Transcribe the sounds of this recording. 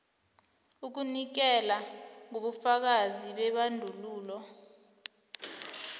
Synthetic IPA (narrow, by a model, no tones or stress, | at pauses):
uk̬unik̬ɛlaŋoɓufak̬aziɓɛɓandʱuluːlɔ